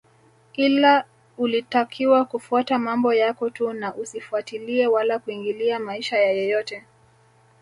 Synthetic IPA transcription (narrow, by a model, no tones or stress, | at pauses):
ila | ulitakʰiwakufuatamambɔjakɔtunaʔusifuatiliɛwalakuiŋɡiliamaiʃajajɔjɔtɛ